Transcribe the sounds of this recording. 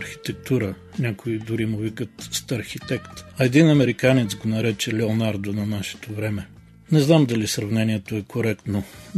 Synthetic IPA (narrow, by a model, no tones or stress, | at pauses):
ɾxʲi̥t̪ɛk̚t̪uɾə | nʲakoid̪ʊɾimuvikət̪st̪ɐɾxit̪ɛkt̪ɐɛd̪inɐmɛɾikanɛt̪sɡonɐɾɛt͡ʃɛlɛonaɾd̪onɐnaʃɛ̥t̪ovɾɛmɛ | nɛznamd̪ɐlisɾɐvnɛniɛt̪oɛkoɾɛkt̪no